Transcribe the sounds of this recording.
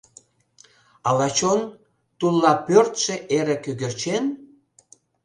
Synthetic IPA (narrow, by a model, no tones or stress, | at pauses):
ɑlɑt͡ɕon | t̪ulˠːɑpørt̪ʃĕʔeɾekøɣĕrt͡ɕen